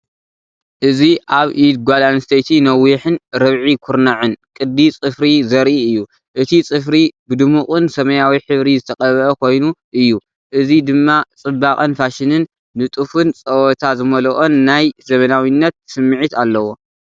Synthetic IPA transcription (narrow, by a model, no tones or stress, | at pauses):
ʔɨziʔaβʔid̪̚ɡʷalanɨst̪ʰejt̪ʰinɐwiħɨnɾɐβʕikʰuɾnaʕɨnkʼɨd̪ːit͡sʼɨfɾizɐɾʔiɨjːu | ʔɨt̪ʰit͡sʼɨfɾibɨd̪ɨmukʼɨnsɐmɐjawiħɨβɾizɨt̪ʰɐkʼɐβɐʔɐkʰo̞jnuʔɨjːu | ʔɨzid̪ɨmːat͡sʼɨbaχʼɨnfaʃɪnɨnː | ɨt̪ʼufɨnt͡sʼɐwɔt̪ʰazɨmɐlɐʔonːajzɐmɐnawinːɐt̪̚sɨmːɨʕit̪alːɐwo̞